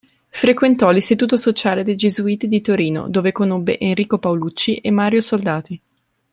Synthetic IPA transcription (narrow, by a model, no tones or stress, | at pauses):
fɾekwent̪ɔlist̪it̪uːt̪osot͡ʃaːled̪ejd͡ʒezuiːt̪id̪it̪oɾiːno̰d̪oːvekonobːḛʔenriːkopawlut͡ʃːiʔemːaːɾjosold̪aːt̪i